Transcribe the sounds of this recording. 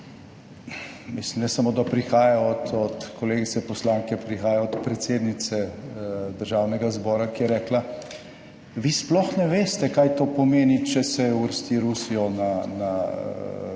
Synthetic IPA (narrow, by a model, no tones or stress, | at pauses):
mislimnɛsamoːd̪apɾixaːjaɔt̪ʰɔt̪kɔleːɡit̪sɛpɔslaːŋkɛpɾixaːjaɔt̪pɾɛt̪seːd̪nit̪sɛ | d̪əɾʒaːwnɛɡazbɔːɾakijɛɾɛːkla | ʋiːsplɔxnɛʋeːst̪ɛkaːjt̪oːpɔmeːnit͡ʃɛsɛjɛuəɾst̪iɾusijɔnana